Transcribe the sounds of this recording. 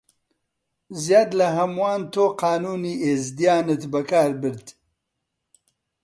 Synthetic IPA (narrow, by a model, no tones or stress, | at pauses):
zjaːd̪lɐɦɐmwaːnt̪ʰoːqɑːnuːniːʔeːzd̪ijaːnɨt̪bɐkaːɾbɨɾd̪